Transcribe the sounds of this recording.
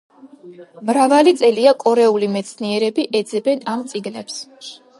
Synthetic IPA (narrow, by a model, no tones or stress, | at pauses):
mɾavalit̪sʼɛliakʼɔɾɛulimɛt̪sʰniɛɾɛbiʔɛd̪zɛbɛnamt̪sʼiɡlɛps